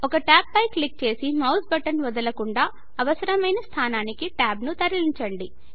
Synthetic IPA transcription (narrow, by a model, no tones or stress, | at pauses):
ɔkɐʈaːp̚ːɐjklik̚t͡ʃe̞ːsimɐwsbɐʈɐnʋɐd̪ɐlɐkuɳɖaː | ɐʋɐsɐɾɐmɐjnɐst̪ʰaːnaːnikiʈaːbnut̪ɐɾɐliɲt͡ʃɐɳɖi